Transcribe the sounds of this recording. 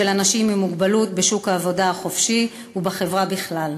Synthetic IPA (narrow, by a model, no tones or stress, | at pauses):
elanaʃimimuɡbalut̚beʃukhaːvo̞daaχo̞fʃi | ubaχe̞vʁabiχlal